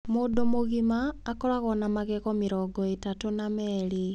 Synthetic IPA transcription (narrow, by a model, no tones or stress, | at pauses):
modomoɣimaːkɔɾaɣɔnamaɣɛɣɔmiɾɔɡɔetatonamɛɾi